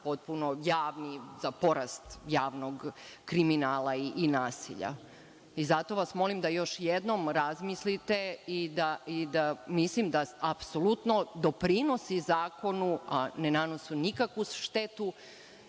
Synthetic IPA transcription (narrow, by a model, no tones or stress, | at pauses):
pot̪̚puno̞jaːʋniz̥apo̞ɾast̪jaːʋnoɡkɾiminaːlaiʔːnaːsḭʎa̰ | izat̪o̞ʋasmo̞limd̪ajo̞ʃjed̪no̞mɾazmislit̪e̞id̪aid̪amislimd̪aapsolut̪no̞d̪o̞pɾino̞sizaːko̞nuanenanosunikakʋuʃt̪et̪u